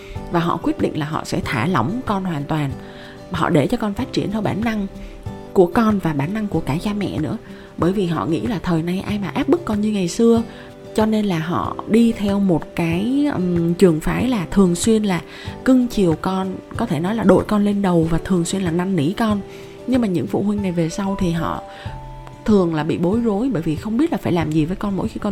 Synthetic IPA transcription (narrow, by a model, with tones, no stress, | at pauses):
vaː˨˩ɦɔ̰˧˨kwi˦˥t̚ɗḭ˧˨ŋ̟laː˨˩ɦɔ̰˧˨sɛ̰˧˥t̪ʰaː˧˩lə˧˦wŋ͡mkɔ˧nhwaː˨˩nt̪waː˨˩n | hɔ̰˧˨ɗe˧˩t͡ɕɔ˧kɔ˧nfa˦˥t̚t͡ɕi˧˩ənt̪ʰɛ˧wɓaː˧˩nːa˧ŋ | ku˧˩əkɔ˧nvaː˨˩ɓaː˧˩nːa˧ŋku˧˩əkaː˧˩t͡ɕaː˧mɛ̰˧˨nɨ̰˧˥ə | ɓəː˧˩jvi˨˩ɦɔ̰˧˨ŋḭ˧˥laː˨˩t̪ʰəː˨˩jna˧jʔaː˧jmaː˨˩ʔaː˦˥p̚ɓɨ˦˥k̚ːɔ˧nɲɨ˧ŋa˨˩jsɨ˧ə | t͡ɕɔ˧ne˧nlaː˨˩ɦɔ̰˧˨ɗi˧t̪ʰɛ˧wmo˨˩t̚kaː˨˦jt͡ɕɨ˨˩əŋfaː˨˦jlaː˨˩t̪ʰɨ˨˩əŋswi˧ənlaː˨˩ | kɨ˧ŋt͡ɕi˨˩əwkɔ˧nkɔ˨˦t̪ʰe˧˩nɔ˨˦jlaː˨˩ɗo̰˧˨jkɔ˧nle˧nɗə˨˩wvaː˨˩t̪ʰɨ˨˩əŋswi˧ənlaː˨˩na˧ŋːḭ˧˥kɔ˧n | ɲɨ˧ŋmaː˨˩ɲɨ̰˧˥ŋfṵ˧˨hwï˧ŋ̟na˨˩jve˨˩sa˧wt̪ʰi˨˩ɦɔ̰˧˨ | t̪ʰɨ˨˩əŋlaː˨˩ɓḭ˧˨ɓo˨˦jzo˨˦jɓəː˧˩jvi˨˩xə˧wŋ͡mɓi˦˥t̚laː˨˩faː˧˩jlaː˨˩mzi˨˩vəː˨˦jkɔ˧nmo̰˧˥jxi˧kɔ˧